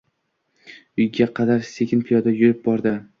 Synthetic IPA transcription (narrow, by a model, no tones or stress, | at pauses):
ʊjɡʲaqʰɑd̪aɾsekʲɪnpʰijɒd̪ajʊɾɪp̚bɒɾd̪ɪ